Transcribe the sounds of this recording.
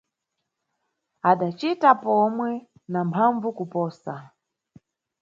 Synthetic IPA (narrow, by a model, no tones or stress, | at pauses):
aɗat͡ʃitapɔmwɛ | nampʰaɱvukupɔːsa